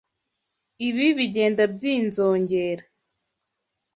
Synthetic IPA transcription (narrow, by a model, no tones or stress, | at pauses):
iβiβiɟe̞ːndab̚ɟiːnzoːɲɟeːɾa